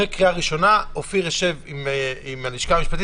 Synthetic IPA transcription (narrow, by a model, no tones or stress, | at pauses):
ekʁiaʁiʃo̞naofiʁeʃe̞vimimaliʃkamiʃpat̪i